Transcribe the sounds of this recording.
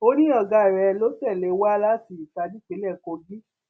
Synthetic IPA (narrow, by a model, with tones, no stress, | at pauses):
o˦ɾ̃ĩ˦ɔ˦˨ɡa˧˦i˨ɾɛ˧lo˦tɛ˦˨le˨˦wa˦la˦si˨ta˧di˦ke˨˦lɛ˦˨ko˧ɡi˦